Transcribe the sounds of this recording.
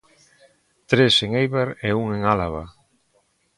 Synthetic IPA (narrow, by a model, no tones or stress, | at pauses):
t̪ɾeseŋejβeɾeuŋeŋalaβa̰